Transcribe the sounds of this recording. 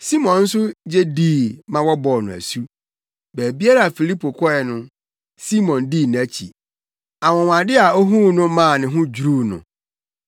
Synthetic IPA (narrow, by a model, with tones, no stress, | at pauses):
si˦mɔ̃˨nn̩˦sʊ˦d͡ʑe˦diː˦˨mã˦wɔ˦bɔ˨nʊ̃˨æ̰˨su˦ | bæː˨bi˦a˦ɾa˦˨a˨fi˨li˦pʰo˨kʰɔ˦ɛ˨nʊ̃˦ | si˦mɔ̃˨ndiː˦˨ñ˨æ˦t͡ɕʰḭ˨ | a˨wɔ̃˨wã˨dɪ˦a˨o˦ɦũ˦nʊ̃˦mã˦˨nɪ̃˨ɦʊ̃˦d͡ʑu˨ɾuː˦nʊ̰̃˨